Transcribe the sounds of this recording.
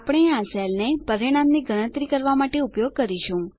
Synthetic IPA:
apɽ̃eãsɛlnepəɾiɽ̃amniɡəɽ̃ə̃t̪ɾikəɾʋamaʈeupjoɡ̚kəɾiʃũ

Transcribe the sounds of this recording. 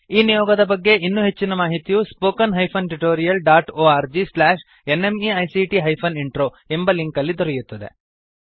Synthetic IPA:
iːnijɔːɡɐd̪ɐbɐɡːe̞ʔinːuɦe̞t͡ʃːinɐmaːɦit̪ijuspoːkɐnɦɐjpʰɐnʈuʈoːɾijɐlɖaːʈoːaːɾd͡ʒislaːʃ | ene̞miɐjsiʈiɦɐjpʰɐniɳʈɾoː | e̞mbɐliŋkɐlːid̪ɔɾɛjut̪ːɐd̪e̞̰

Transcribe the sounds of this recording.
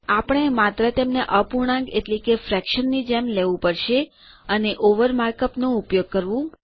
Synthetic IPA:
apəɽ̃eemat̪ɾət̪emneʔəpuɳ̃ãŋɡeʈlikefɾɛkʃənːid͡ʒemleʋũpəɾʃe | əneʔoʋəɾmaɾkəpnoupjoɡ̚kəɾʋũ

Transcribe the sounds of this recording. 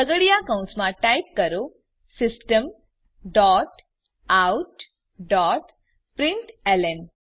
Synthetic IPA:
əɡəɽijakaũsmãʈajp̚kəɾo | sɪsʈəm | ɖɔʈ | auʈ | ɖɔʈ | pɾɪɳʈelem

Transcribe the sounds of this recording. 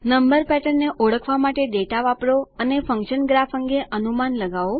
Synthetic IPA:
nəmbəɾpɛʈəɾneʔoɽəkʰʋamaʈeɖeʈaʋapɽoənefə̃ŋkʃənɡɾafəŋɡeʔənumanləɡaʋo

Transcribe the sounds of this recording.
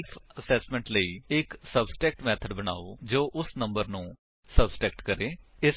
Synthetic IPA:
pʰəsɛːsmɛ̃ɳʈləiːɪksəbsʈɛːk̚ʈmɛːt̪ʰəɖbəña̰ːoːd͡ʒoːʔʊsnəmbəɾnũː | səbsʈɛːkʈkəɾeːɪs

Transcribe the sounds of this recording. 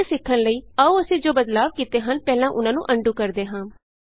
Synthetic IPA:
sɪkʰːənləiːəuːəsĩːd͡ʒoːbəd̪laːʋkiːt̪eːɦənpɛːlãːʔʊnãːnṵ̃ːʔəɳɖũːkəɾd̪eːɦãː

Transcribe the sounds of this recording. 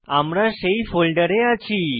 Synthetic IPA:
amɾaɕeifolɖəɾeat͡ɕʰi

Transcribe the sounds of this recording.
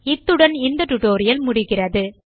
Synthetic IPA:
ɪt̪ːɯɽɐnɪnd̪ɐʈuʈːoːɾɪjɐlmʊɽɪɣɪrɐðɯ

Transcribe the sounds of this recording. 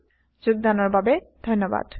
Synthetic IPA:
d͡ʑuɡ̚d̪anɔɹbabed̪ʱonːoba̰d̪̥

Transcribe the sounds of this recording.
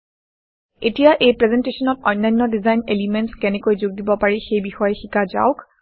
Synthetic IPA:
etijaʔejpɹɛzɛntesɔnɔtɔjnːajnːɔdizajnelimɛntskɛnɛkojzʊɡ̚dibɔpaɹixejbixɔjɛxikaza̰ʊk

